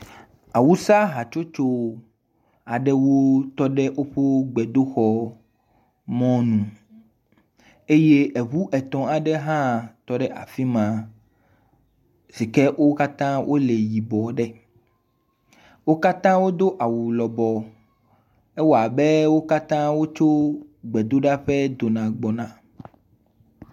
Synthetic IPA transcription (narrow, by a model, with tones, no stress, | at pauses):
a˨wu˦sa˦ɦa˨t͡ʃo˦t͡ʃo˦ | a˨ɖɛ˦wo˦t̪ɔ˦ɖɛ˦ʔo˦ɸo˦ɡ͡bɛ˨d̪o˦xɔ˦ | mɔ̃˦nũ˨ | e˦je˦e˨βu˦ʔɛ˨t̪ɔ̃˨a˨ɖɛ˦ɦã˦t̪ɔ˦ɖɛ˦ʔa̰˨fi˦mã˨ | si˨kɛ˦ʔo˦ka˦t̪ã˦wʔo˦le˨ji˨bɔ˨ɖɛ˦ | wo˦ka˦t̪ã˦wo˦d̪o˦ʔa˨wu˨lɔ˨bɔ˨ | e˦wo˨a˨be˦wo˦ka˦t̪ã˦wo˦t͡ʃo˦ɡ͡bɛ˨d̪o˦ɖa˦ɸɛ˦d̪o˨nã˨ɡ͡bɔ˨nã˨